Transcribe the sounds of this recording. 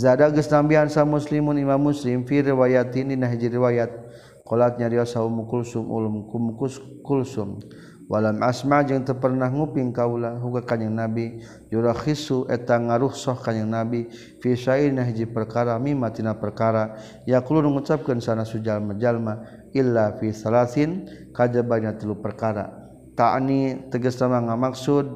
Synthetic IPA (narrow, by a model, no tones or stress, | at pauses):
zadaɡəsnambiansamuslimunimamːuslimfiɾiwajat̪ininaɦid͡ʒiɾiwajat̪̚ | kɔlat̪̚ɲadiɔsaumukulsumṵlumkumuku | kulsum | walamasmad͡ʒəŋt̪ərpərnahŋupiŋkaulaɦuɡakaɲəŋnabi | juɾaxisuʔɛt̪aŋaɾuhsɔhkaɲaŋnabi | fiʃailnaɦid͡ʒipərkaɾamimat̪inapərkaɾa | jaklunəŋut͡ʃap̚kansanasud͡ʒalmad͡ʒalma | ilːafiθalaθin | kad͡ʒabanat̪əlupərkaɾa̰ | t̪a̰nit̪əɡəsnamaŋamaksud̚